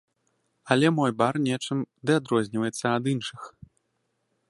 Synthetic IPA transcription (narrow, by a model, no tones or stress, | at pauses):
ɐlʲɛmɔjbarnʲɛt͡ʂɨmd̪ɨad̪ɾɔzʲnʲivɐjɛt̪sːɐɐd̪ɨnʂɨx